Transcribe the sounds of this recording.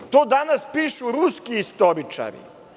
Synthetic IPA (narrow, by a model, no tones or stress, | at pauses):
t̪oːd̪anaspiːʃuɾuskiist̪oɾit͡ʃa̰ɾḭ